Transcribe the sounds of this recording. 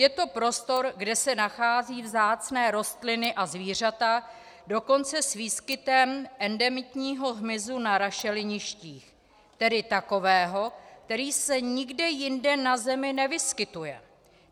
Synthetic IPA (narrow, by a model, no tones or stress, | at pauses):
jɛt̪o̞pɾo̞st̪o̞ɾɡdɛsɛnaxaːziːvzaːt͡snɛːɾo̞st̪lɪnɪʔazviːr̝at̪a | do̞ko̞nt͡sɛsviːskɪt̪ɛmʔɛndɛmɪt̪ɲiːɦo̞ɦmɪzunaɾaʃɛlɪɲɪʃciːx | t̪ɛdɪt̪ako̞vɛːɦo̞kkt̪ɛɾiːsɛɲɪɡdɛjɪndɛnazɛmɪnɛvɪskɪt̪ujɛ̰